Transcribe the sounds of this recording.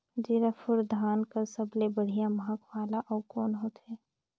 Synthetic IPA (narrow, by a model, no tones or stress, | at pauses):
d͡ʒiɾəfʰʊɾd̪ʱaːnkəɾsəblebəɽ̤ijaməɦəkwaːlaʔɔːkɔːnɦoːt̪ɦɛː